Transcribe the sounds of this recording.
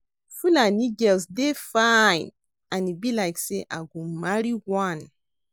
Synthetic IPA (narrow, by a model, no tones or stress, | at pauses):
fulaniɡɛlsdefajn | ãnibilaɪkseʔa̰ɡũmaɹiwãn